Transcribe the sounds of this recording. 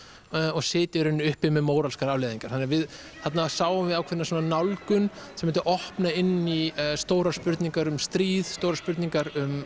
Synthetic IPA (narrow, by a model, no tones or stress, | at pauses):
ɔɣsɪːt̪ɪɾʏnːɪʏhpɪmɛmoːwɾalskaɾavleðiŋkaɾ̥θanːɪɾavɪð | θat̪nasaːwʏmvɪðawkʰɛɾnasɔːnanawlkʏnsɛmɛnt̪ɪʔɔhpnaɪnːist̪oːwɾḁspʏɾt̪niŋkaɾʏmst̪ɾiːðst̪owɾaɾspʏɾt̪niŋkaɾʏm